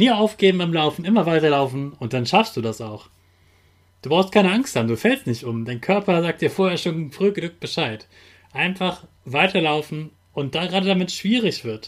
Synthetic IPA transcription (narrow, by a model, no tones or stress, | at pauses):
niːɐaʊfɡ̥eːbm̩baɪmlaʊfn̩ɪmɐvaɪtɐlaʊfn̩ʊntd̥anʃafstd̥uːdasaʊx | d̥uːbʁaʊstkʰaɪnəaŋsthaːbm̩duːfɛlstnɪçtʔʊmdaɪnkʰœɐpɐzaːk̚td̥iːɐfoːɐheɐʃoːnfʁ̥yːɡəlʊk̚b̥əʃaɪt | ʔaɪnfaχ | v̥aɪtʰɐlaʊfn̩ | ʊnt̚d̥aɡəʁaːdədamɪtʃv̥iːʁ̞ɪçv̥ɪɐt